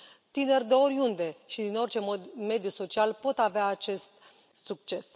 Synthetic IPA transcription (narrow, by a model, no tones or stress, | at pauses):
t̪ine̞rʲd̪e̞o̞ɾjund̪e̞ʃid̪ino̞rʲt͡ʃe̞mod̪me̞d̪juso̞t͡ʃialpo̞t̪aveaːt͡ʃe̞st̪ | suk̚t͡ʃe̞s